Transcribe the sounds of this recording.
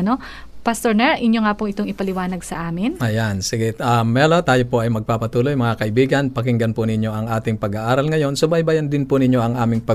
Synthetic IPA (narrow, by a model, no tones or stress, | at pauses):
no̞ | pɐst̪oɹnɛʔɪɲjoŋaːpʊŋʔɪt̪o̞ŋɪpɐlɪwaːnɐɡsɐ̰ʔaːmɪnʔɐjansɪɡɛamːɛlot̪aːjopoʔɐjmɐɡ̚papɐt̪uːlo̞jmɐŋakɐʔɪbiːɡɐnpɐkɪŋɡɐnpʊnɪɲjo̞ʔɐŋʔaːt̪ɪŋpɐɡaʔaːɾɐlŋɐjo̞nsobajbajɐnd̪ɪnpʊnɪɲjo̞ʔɐŋʔaːmɪŋpɐ